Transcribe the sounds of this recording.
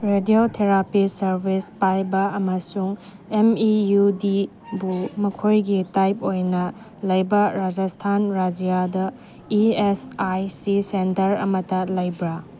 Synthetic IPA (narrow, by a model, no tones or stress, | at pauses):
ɾediotʰeɾapisɐɾbispajbɐɐmɐsuŋ | emijudi | bumɐkʰojɡitajpojnɐ | lɐjbɐɾad͡ʒastʰanɾad͡ʒijadɐ | iesajsisentɐɾɐ̰mɐtɐlɐjbɾɐ